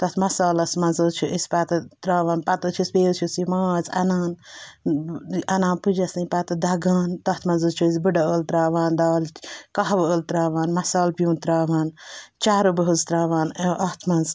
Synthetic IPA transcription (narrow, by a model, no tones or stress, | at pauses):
t̪ɐt̪ʰmɐsaːlɐsmɐnzəːt͡ʃʰuʔisʲpat̪ɐt̪ɾaːʋaːnpɐt̪ut͡ʃʰispeːt͡ʃʰusimaːzɐ̰naːn | ɐnãːnpud͡ʒɐsɐpat̪ɐd̪ɐɡaːnt̪ɐht̪ʰmɐnzɨt͡ʃʰuisʲbɨɖɐəːlt̪ɾaːʋaːnd̪aːlkɐɦʋəːlt̪ɾaːʋaːnmɐsaːlpjũːnt̪ɾaːʋaːnt͡ʃaːɾubəɦuzt̪ɾaːʋaːneʔɐht̪ʰmɐnz